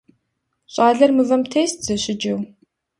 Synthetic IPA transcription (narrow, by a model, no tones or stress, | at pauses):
ɕʷʼaːɮɐrmɨvɐmtʰeːstʰz̥ɐɕɪd͡ʒɐw